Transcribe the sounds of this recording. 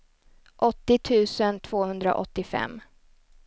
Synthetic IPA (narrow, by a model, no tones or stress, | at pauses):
ʔɔt̪ːɪt̪ʰʉ̟ːsənt̪ʰv̥oːhɵnd̪ɾa̰ʔɔt̪ːɪfɛ̰mː